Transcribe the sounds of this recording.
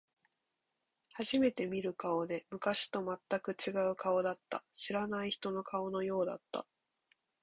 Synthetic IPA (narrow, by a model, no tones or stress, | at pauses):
haʑime̞t̪e̞mʲiɾɯ̟kao̞d̪e̞mɯ̟kaɕi̥t̪o̞mat̪ːakɯ̟t͡ɕiɡaɯ̟kao̞d̪at̪ːa̰ɕiɾanaiçi̥t̪o̞no̞kao̞no̞jo̞ːd̪at̪ːa̰